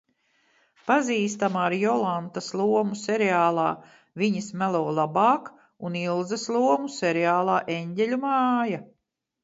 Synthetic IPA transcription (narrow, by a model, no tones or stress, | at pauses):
paziːst̪amaːɾjɔlˠant̪aslˠuɔmuseɾɛaːlˠaː | viɲismælˠɔːlˠabaːk | unilˠzɐslˠuɔmuseɾɛaːlˠaːʔeɲɟʲɛʎʲumaːja